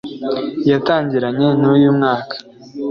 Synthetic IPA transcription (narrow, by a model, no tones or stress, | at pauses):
jataːɲɟiɾaɲe̞nujumŋaːkḁ